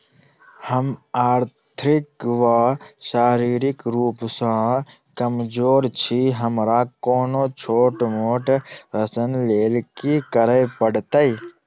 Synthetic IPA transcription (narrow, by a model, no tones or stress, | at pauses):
həmaːɾt̪ʰɾikʋaʃaːɾiːɾikɾuːpsãkɐmd͡ʒoːɾt͡ʃʰiɦɐmɾakoːnot͡ʃʰoːʈmoːʈɾɐsənleːlkikəɾəjpəɽt̪əi